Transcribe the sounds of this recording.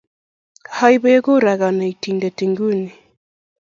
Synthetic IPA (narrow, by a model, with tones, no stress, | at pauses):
ha˦i˦βe˦ɣo˦ɾa˨ɣa˨na˨i˨ti˨ndɛ˨ti˨ŋɡu˦ni˨